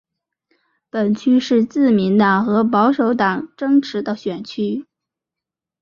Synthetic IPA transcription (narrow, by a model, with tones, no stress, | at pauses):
pə˨˩nt͡ɕʰy˥ʂɻ̩˥˧t͡sɹ̩˥˩mi˧˥nt̪ɑ˨˩ŋxɤ˧˥pɑ˧˥ʊʂo˧˥ʊt̪ɑ˨˩ŋʈ͡ʂɤ˥ŋʈ͡ʂʰɻ̩˧˥d̪ə˧ɕɥɛ˨˩nt͡ɕʰy˥